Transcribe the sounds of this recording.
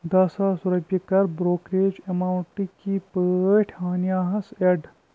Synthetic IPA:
d̪ɐsaːsʊɾɐbjɐkɐɾbɾoːkɾeːd͡ʒɐmaːwɳʈikipəʈʰɦaːnjaːɦɐseɖ

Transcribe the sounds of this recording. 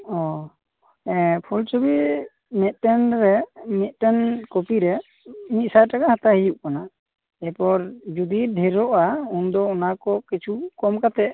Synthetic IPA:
ɔ | ɛpʰult͡ʃɔbi | mɛt̪̚ˀʈɛnɾɛmɛt̪̚ˀʈɛnkopiɾɛ | mit̪̚sajʈakahat̪ahijuʔkana | ɛpɔɾd͡ʒud̪iɖʱɛɾɔʔaund̪ɔɔnakɔkit͡ʃʰukɔmkat̪ɛʔ

